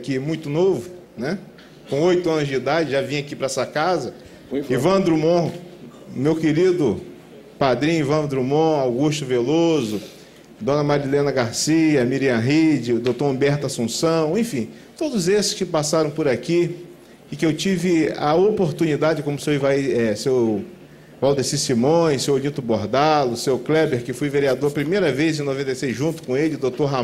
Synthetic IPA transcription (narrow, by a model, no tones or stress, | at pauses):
kimũj̃t̪ʊnovʊ | nɛ | kõojt̪ʊɐ̃nʊzd͡ʒid̪ad͡ʒɪʒavĩj̃akipɾɐɛsɐkazɐ | ivɐ̃d̪ɾumõ | mewkeɾid̪ʊ | pad̪ɾĩivɐ̃d̪ɾumõawɡuʃt̪ʊvelozʊ | d̪õnɐmaɾilẽnɐɡaɾsiɐmiɾiɐ̃ɦid͡ʒɪd̪ot̪oɾõbɛɾt̪ɐsũsɐ̃w̃ẽfĩ | t̪od̪ʊzesɪ̥skɪpasaɾɐ̃w̃pʊɾaki | ɪkɪewt͡ʃivɪɐopoɾt̪unid̪ad͡ʒɪkõmʊsewivajɛsew | vawd̪esisimõsewlĩt̪ʊboɾd̪alʊsewklɛbeɾkɪfojveɾiad̪oɾɐpɾimejɾɐvejzẽnovẽnt̪ejsejzʒũt̪ʊ̥kõelɪd̪ot̪oɾɦa